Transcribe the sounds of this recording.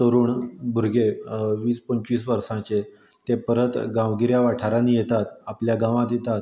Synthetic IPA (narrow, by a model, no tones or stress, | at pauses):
t̪əɾuːɳbʱuɾɡeʋiːspəɲt͡ɕʋiːs̬ʋəɾsãt͡ɕe | t̪epəɾət̪ɡãʋɡiɾjaʋaʈʰaɾãnijet̪at̪apljaɡãʋãt̪jet̪at̪